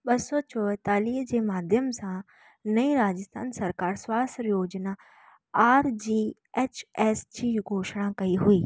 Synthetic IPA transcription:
bəsoːt͡ʃɔʋət̪aːliːd͡ʒeːmaːd̪ʱjəmsãː | nəiːɾaːd͡ʒəst̪ʰa̰ːnsəɾkaːɾswaːsɾjoːd͡ʒnaː | aːɾd͡ʒiː | eːt͡ʃɛːsd͡ʒiːɡʱoːʃɽ̃ãːkəiːɦʊiː

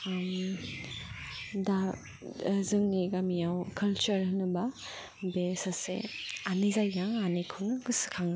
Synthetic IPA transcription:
m | da | zɯŋniɡamijawkʰɐlt͡ʃɐɾhɯnɯbɐ | besasḛanizajɡaŋanikʰɯwnɯɡɯsɯ̥kʰaŋna

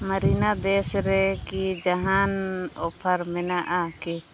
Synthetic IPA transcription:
məɾinad̪ɛsɾɛkid͡ʒaɦanɔpʰəɾmɛnaʔaki

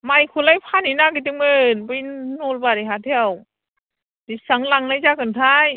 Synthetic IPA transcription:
majkʰulajpʰaninaɡit̬ɯŋmɯnbɯjnɔlbaɾiɦatʰew | disaŋlaŋnajzakʰɯntʰaj

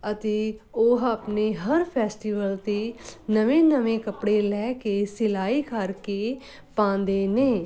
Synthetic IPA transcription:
ət̪eːoɦaːpneːɦəɾpʰɛːsʈiːʋəlt̪eːnəʋẽːnəʋẽːkəpɽeːlɛːkeːsɪlaːiːkʰəɾkeː | pãːnd̪eːneː

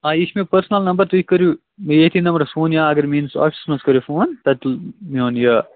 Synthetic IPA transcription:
aːɪsmẽpɐɾsnɐlnɐmbəɾt̪ikːɐɾu | mjet̪ʰinɐmbɐɾfoːnjaːɐɡɐɾmĩːnsɔ̰ːʈsmɐskɐɾjufoːnt̪ɐt̪mioːnjɐ

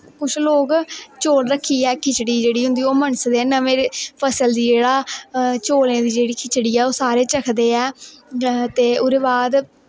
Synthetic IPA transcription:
kʊt͡ʃʰloːkt͡ʃoːɽɾəkʰːiːɛːkʰɪt͡ʃɽiːd͡ʒeːɽiːɦʊ̃nd̪iːoːməɳsd̪eːnəʋẽːpʰəsəld̪iːd͡ʒeːɽaːt͡ʃoːlẽːd̪iːd͡ʒeːɽiːkʰɪt͡ʃɽiːɛːoːsaːɾeːt͡ʃəkʰd̪eːɛː | t̪eːʊɾeːbaːd̪

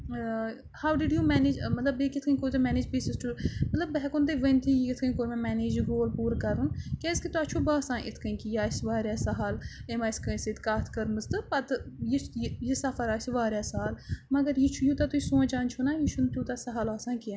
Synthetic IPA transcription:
haːwɖɪɖjuːmɛːneːd͡ʒmɐt̪ləbeːkɪt̪ʰkəĩkoːt̪ɨmɛːneːd͡ʒbiːsɪsʈəmɐt̪ləbːɛːkont̪̬eːʋənt̪ʰijkɪt̪ʰkəĩkoːɾmɛ̃ːmɛːneːd͡ʒɡoːlpuːɾkɐɾunkɛːzkit̪oaːt͡ʃʰuːbaːsãːʔɪ̰t̪ʰkəĩːkijaːɪsʋaːɾjaːsɐɦaːlemaːɪskəset̪ʰkaːt̪ʰkəɾməzt̪ɨpɐt̪jejesɐfʰəɾaːɪsʋaːɾjaːsaːaːlmɐɡəɾjit͡ʃʰujuːt̪at̪uisũːãːt͡ʃaːnt͡ʃʰunaːjit͡ʃʰunt̪juːt̪aːsɐɦalaːsãːkɪjãː

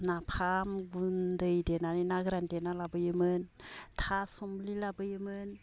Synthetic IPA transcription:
napʰamɡundɯjdenaɾinaɡɾandenalabɯjɯmɯntʰasɔmlilabɯjɯmɯn

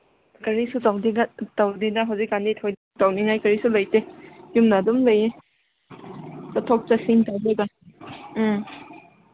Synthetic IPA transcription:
kɐɾisutawdiŋatawdidɐɦawzik̚ɡanditʰawd | tawniŋajkɐɾisulɐjtejumnadumlɐje | katʰɔk̚tasiŋtawbeɡa

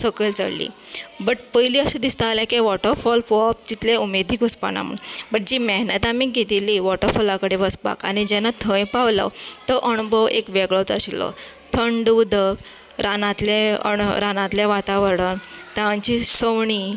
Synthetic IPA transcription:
səkəlt͡sə̰ɭlḭːbəʈ̚pəjliːəsed̪ist̪alɛ̃keʋɔʈəɾfɔlpɔp̚t̪it̪leumed̪ʱikuspa̰na̰mṵbəʈ̚d͡ʑiːməɦnət̪amiːɡʱet̪iliːʋɔʈəɾfɔlãkəɽeʋəspa̰kañid͡ʑɛnat̪ʰə̃jpaʋlə̰t̪əʔəɳ̃bʱɔwʔekʋeɡɭɔt̪əɕilːɔ̰ | t̪ʰəɳɖud̪ək | ɾʔanãt̪leə̰ɾanãt̪ljaʋat̪aʋəɾɽənt̪ãɲt͡ɕisəʋɳi

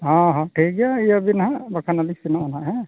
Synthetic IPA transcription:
ɦãɦãʈʰiɡijaiabinaɦãbakʰanalisinaanãɦɛ̃

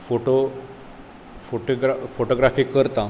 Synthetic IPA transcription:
foʈo | foʈoɡɾafoʈoɡɾafiːkəɾt̪a

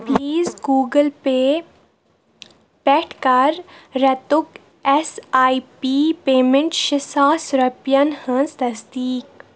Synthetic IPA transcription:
pliːzɡuːɡəlpe | pɛʈʰkɐɾːɐt̪ʊk | ɛsaːipipeːmẽɳʈʃɪsaːsɾɐpjɐnhə̃nzt̪ɐsd̪iːk̚

